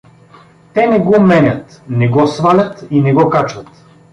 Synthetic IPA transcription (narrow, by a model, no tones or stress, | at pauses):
t̪ɛnɛɡɔmɛnʲət̪nɛɡɔsvalʲət̪inɛɡɔkat͡ʃvət̪